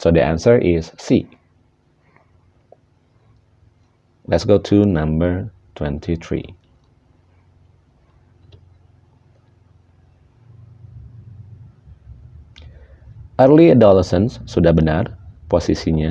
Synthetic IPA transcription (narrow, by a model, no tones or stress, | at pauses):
sodəʔã̰nsəɹʔɪsːi | lɛtsɡotʰunãmbəɹ | tʰwɛ̃ntʰit̪ʰɹḭ | ʔərliadɔləsə̃nsːudabənarpɔsisiɲa